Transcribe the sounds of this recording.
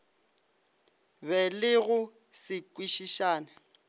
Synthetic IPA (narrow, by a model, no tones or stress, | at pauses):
bɛlɪɣʊ | sɪkʼwiʃiʃaːna